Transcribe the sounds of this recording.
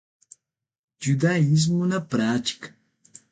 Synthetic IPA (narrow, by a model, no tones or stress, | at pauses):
d͡ʒud̪aiz̬mʊnapɾat͡ʃɪ̥k